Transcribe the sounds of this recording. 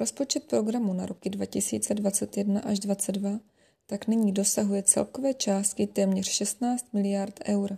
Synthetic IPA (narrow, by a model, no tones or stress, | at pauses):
ɾo̞spo̞t͡ʃɛt̪̚pɾo̞ɡɾamuna̰ɾo̞kɪdvacɪsḭːt͡sɛdvat͡sɛt̪jɛdnaʔaʒdvat͡sɛddva | t̪aknɪɲiːdo̞saɦujɛt͡sɛ̰lkovɛːt͡ʃaːst̪kɪt̪ɛːmɲɛr̝̥ʃɛst̪naːt͡st̪̚mɪlɪjaɾt̪ʔɛwɾ